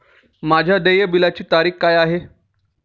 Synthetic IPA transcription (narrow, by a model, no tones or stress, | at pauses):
mad͡ʑʱjad̪ejəbilat͡ɕiːt̪aɾiːxkajaɦe